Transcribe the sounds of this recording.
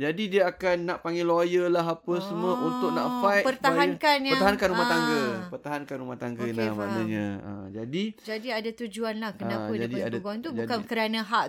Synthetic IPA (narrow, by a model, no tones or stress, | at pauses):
d͡ʒadidiaakanːaʔpaŋɡɪlojəlaɦapəsəməunt̪ʊk̚na̰ʔfajtpərtt̪aɦakanərt̪aɦankanumat̪aŋɡəpərt̪aɦankanumaht̪aŋɡənama̰naɲã̰ə̰d͡ʒadid͡ʒadiadat̪ud͡ʒuanlahkənãpad͡ʒaidiadaɡuant̪ubukankəɾanãɦaʔ